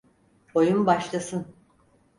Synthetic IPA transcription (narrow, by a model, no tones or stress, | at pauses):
ojumbaʃlˠasɯn